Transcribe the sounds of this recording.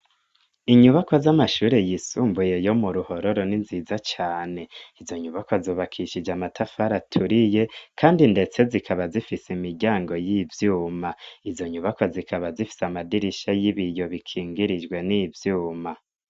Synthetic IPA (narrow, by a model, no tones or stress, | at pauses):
iɲuβako̞zamaʃuːɾe̞jiːsuːmbuje̞jo̞muɾuho̞ɾo̞ɾo̞ninziːzat͡ʃaːne̞izo̞ɲuβakʰozoːβakʰiʃid͡ʒamatʰafaɾatʰuɾije̞kʰaːndinde̞t͡se̞zikʰaβazifisimiɾɟaːŋɡo̞jivjuːmaizo̞ɲuβakʰozikʰaβazifi̥samadiɾiʃajiβijo̞βikʰiːŋɡiɾid͡ʒɡwe̞nivjuːma